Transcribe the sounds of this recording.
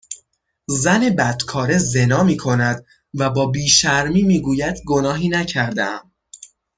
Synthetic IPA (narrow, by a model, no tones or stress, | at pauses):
zæne̞bæd̪̥kʰɒːɾe̞ze̞nɒːmiːkʰo̞næd̪ | væbɒːbiːʃæɾmiːmiːɡuːjæd̪ɡo̞nɒːɦiːnæcʰæɾd̪eæm